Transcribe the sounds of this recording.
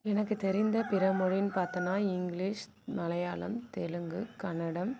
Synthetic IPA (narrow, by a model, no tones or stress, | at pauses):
ɛnɐkːɯt̪ɛɾɪnd̪ɐpɪɾɐmɔɻɪnpaːɾt̪ɐnaːɪŋɡliːʂ | nɐlɐjaːlɐ̰mt̪ɛlɯŋɡɯkɐnːɐɽɐm